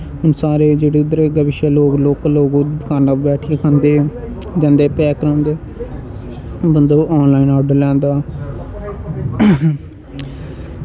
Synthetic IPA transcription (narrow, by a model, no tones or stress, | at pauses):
ɦʊnsaːɾeːd͡ʒeːɽeːʊd̪əɾeːɡəbɪʃaːloːɡloːkloːɡõːkaːɾnabɛːʈʰiekʰə̃nd̪eː | d͡ʒɛ̃ːnd̪eːpɛːkɾãːnd̪eː | bənd̪oːʔɔːnlaːinɔːɖlɛ̃ːnd̪aː